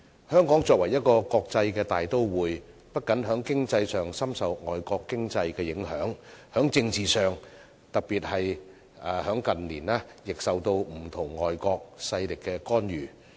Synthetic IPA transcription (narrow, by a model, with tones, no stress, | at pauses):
hœː˥ŋkɔː˨˥ŋt͡sɔː˧k̚wɐ˨˩jɐ˥t̚kɔː˧kɔː˧k̚t͡sɐ˧jkɛː˧t̪aː˨jt̪o˥wwuː˨˩j | pɐ˥t̚kɐ˨˥nɦœː˨˥ŋkɪ˥ŋt͡sɐ˧jsœː˨˩ŋsɐ˥msɐ˨wŋɔ̰ː˨˩jkɔː˧kːɪ˥ŋt͡sɐ˧jkɛː˧jɪ˨˥ŋhœ̰ː˨˥ŋhœː˨˥ŋt͡sɪ˧ŋt͡siː˨sœː˨ŋ | t̪ɐ˨k̚piː˨t̚hɐ˨j | aː˨˧hœː˨˥ŋkɐ˨nliː˨˩naː˥jɪ˨k̚sɐ˨wt̪o˧wm̩˨˩t̪ʰʊ˨˩ŋːɔː˨jkɔː˧k̚sɐ˧jlɪ˨kːɛː˧kɔː˥njyː˨˩